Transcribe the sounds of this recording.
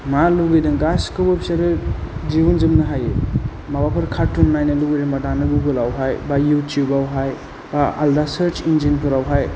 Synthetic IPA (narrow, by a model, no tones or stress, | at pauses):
maluɡɯjdɯŋɡaskɯwapsaɾɯd͡ʒibund͡ʒɯmnɯɦaje | mabapʰɯɾkʰatːunnajnɯluɡijdambadanɯɡuɡɯlawɦajbajutʰijubawɦaj | baa̰ldasəɾt͡ʃind͡ʒinpʰɯɾawɦaj